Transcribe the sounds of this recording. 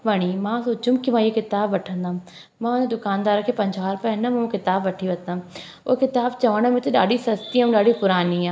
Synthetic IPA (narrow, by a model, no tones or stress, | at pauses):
ʋɐɽ̃imãsoːt͡ʃũmkimãijekɪt̪aːbʋɐʈʰə̃nd̪aːũm | mãːʊned̪ʊkaːnd̪aːɾkʰeːpɐ̃ɲd͡ʑaːɾpɐɪnəmɐ̃ũkɪt̪aːbʋɐʈʰiʋɐt̪d̪ã | oːkɪt̪aːbt͡ɕɐʋəɽ̃mẽt̪ʰeɗa̰ːɖisɐst̪iaːũɗaːɖipʊɾaːniaː